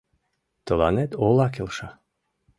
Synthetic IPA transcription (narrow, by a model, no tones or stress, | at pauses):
t̪əla̰nɛt̪olˠakelˠʃa